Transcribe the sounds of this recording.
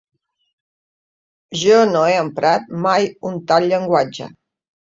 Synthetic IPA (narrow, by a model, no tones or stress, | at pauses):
ʒɔnoeəmpɾat̪̚majunt̪alʎəŋɡwad͡ʒə̰